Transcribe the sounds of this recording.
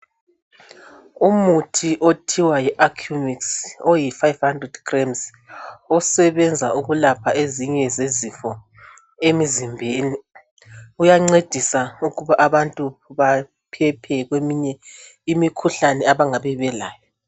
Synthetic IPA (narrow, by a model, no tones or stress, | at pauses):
umutʰiʔotʰiwajiʔakʰjumiksojifajvhandrɛdɡrɛmz | ɔsɛβɛnd͡zʱa̰ʔuɣulapʰaeziɲɛzezifɔ | emizimbʱeːni | ujaŋ͡ǀed̥ʱisauɣuβaʔaβantʼuβa | pʰɛpʰɛɣwemiɲɛ | imikʰuɬanɛaβaŋaβɛβɛla̰ːjɔ